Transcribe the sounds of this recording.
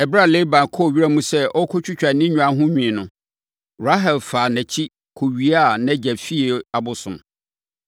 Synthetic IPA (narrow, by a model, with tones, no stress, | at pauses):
ɛ˨bɾa˦˨le˦bã˨nkʰɔ˦˨ɥi˦ɾa˦mũ˦sɛ˦ʔɔ˦kʰɔ˦t͡ɕʰᶣʊ˦t͡ɕᶣa˨nɪ̃˦ɲᶣũ˨ã˨ɦʊ̃˦ɲᶣĩ˨nʊ̃˨ | ɾa˦ɦɛ˨lfaː˨nɛ̃˨t͡ɕʰi˦ | kʰo˨ɥi˨a˦˨nɛ̃˦d͡ʑæ˨fi˦e˨a˨bʊ˨sʊ̰̃˨m